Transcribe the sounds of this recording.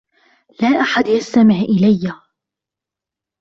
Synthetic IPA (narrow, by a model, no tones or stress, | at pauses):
laːʔaħad̪jast̪amɪʕʔɪlajːa